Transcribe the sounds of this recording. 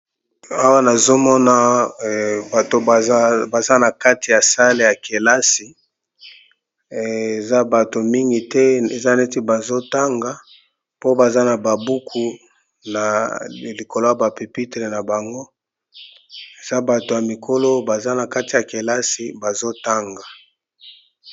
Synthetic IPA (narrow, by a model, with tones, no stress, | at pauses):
a˦wa˦na˨zo˦mɔ˦na˦ | a˨to˨˦ba˨za˦na˨ka˦ti˨ja˨sa˦le˨ja˨ke˨la˦si˨ | e˨za˦ba˨to˨mi˦ŋɡi˨tɛ˦e˨za˦ne˦ti˦ba˨zo˦ta˦ŋɡa˨ | po˦ba˨za˦na˨ba˨bu˦kʰu˨ | na˨li˨ko˨lo˦a˨ba˨pe˨pi˦te˨le˨na˨ba˨ŋɡo˦ | e˨za˦ba˨to˨ja˨mi˨kʰo˦lo˦ba˨za˦na˨ka˦ti˨ja˨ke˨la˦si˨ba˨zo˦ta˦ŋɡa˨